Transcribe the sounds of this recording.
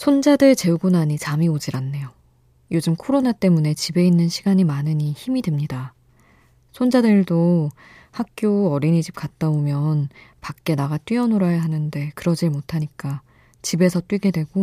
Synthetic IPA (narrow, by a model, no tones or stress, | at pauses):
sʰond͡ʑadɯɭt͡ɕe̞uɡunaɲit͡ɕamiod͡ʑiɾanːe̞jo | jod͡ʑɯmkʰoɾonat͈e̞mune̞t͡ɕibe̞inːɯnɕʰiɡaɲimanɯɲiçimidwe̞mɲida | sʰond͡ʑadɯɭdo | hak̚k͈joʌɾiɲid͡ʑip̚k͈at̚t͈aomjʌnpak̚k͈e̞naɡat͈ɥiʌnoɾajaɦanɯnde̞kɯɾʌd͡ʑiɭmotʰaɲik͈a | t͡ɕibe̞sʰʌt͈wɥiɡe̞dwe̞ɡo